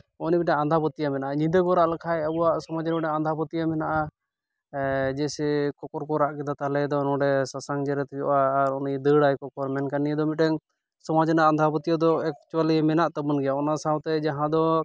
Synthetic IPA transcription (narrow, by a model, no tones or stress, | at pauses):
ɔnimitʈɛŋand̪ʱapɔt̪ijamɛnaʔaɲid̪əɡɔɾaʔlakʰajabuwaʔsɔmad͡ʒnɔʈɛand̪ʱapɔt̪ijamɛnaʔa | d͡ʒɛsɛkɔkɔɾkɔɾaʔkɛd̪at̪alɛd̪ɔnɔɖɛsasaŋd͡ʒɛɾɛt̪jɔ̰ʔaːɾɔnid̪əɽajkɔkɔɾmɛnkanijəd̪ɔmit̪̚ɛŋ | sɔmad͡ʒɛnaʔand̪ʱapɔt̪ijad̪ɔɛkt͡ʃuwalimɛnaʔt̪abɔnɡɛjaɔnasawt̪ɛd͡ʒaɦãd̪ɔ